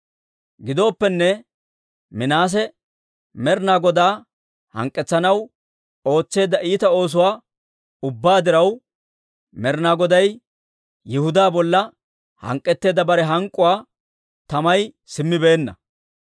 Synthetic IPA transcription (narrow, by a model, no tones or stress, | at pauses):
ɡɪd̪o̞ːpːɛnːɛ | mɪnaːs̬ɛ | mɛɾnaːɡɔd̪aː | hɐ̰ŋkʼːɛt͡sːɐnɐw | o̞ːt͡sːe̞ːd̪ɐʔiːt̪ɐo̞ːs̬ʊwaː | ʊbːaːd̪ɪɾɐw | mɛɾnaːɡɔd̪ɐj | jɪhʊd̪aːbɔlːɐ | hɐ̰ŋkʼːɛt̪ːe̞ːd̪ɐbɐɾɛɦɐŋkʼːʊwaː | t̪ɐmɐj | sɪmːɪbe̞ːnːɐ̰